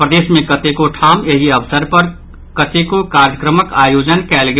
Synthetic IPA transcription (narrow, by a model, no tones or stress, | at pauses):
pɾəd̪eːsmẽkət̪ekoʈʰameɦiəʋsəɾpəɾ | kət̪ekokaɾjəkɾəməkajod͡ʒənkɛlɡe